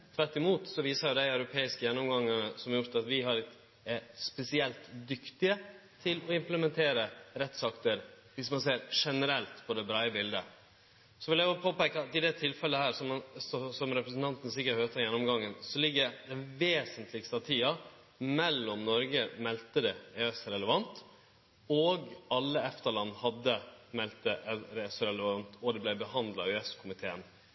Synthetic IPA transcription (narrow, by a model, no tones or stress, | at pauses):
t̪ʰɾɛt̪ːɪmuːt̪sɔʋiːsəɾjʊd̪æɪœʉɾʊpʰeːɪskəjɛnːɔmɡɑŋːənəsɔmɑɾjʊɾt̪ɑt̪ʋɪɦɑɾɪt | ɛspɛsɪɛlt̪d̪ʏkt̪ɪət̪ʰɪlɔɪmpləmɛnt̪ʰeːɾəɾɛt̪sɑkt̪əɾ | ʋɪsmɑnseːɾʂɛnəɾɛlt̪pʰɔd̪ɛbɾɑːəbɪld̪ə̰ | sɔʋɪljæjʊpʰoːpɛkːəɑt̪ɪd̪ɛt̪ʰɪlfɛlːəhæːɾsɔmsɔsɔmɾɛpɾəsnt̪ʰɑnt̪ənsɪkːəɾhøːt̪ʰɑjɛnːɔmɡɑŋːənsɔlɪɡːəɾd̪ɛʋeːsənt̪ʰlɪkst̪əɑt̪ʰiːɑ | mɛlːɔmnɔɾɡəmɛlt̪əd̪ɛɛɛsɾɛləʋɑnt̪ | ɔɡɑlːəɛft̪əɾɭɑnːhɑd̪ːəmɛlt̪əʔɛɾɛsɔɾɛləʋɑnt̪ɔd̪ɛblɛɪbəhɑnd̪lɑɛskʰʊmɪt̪ʰeːən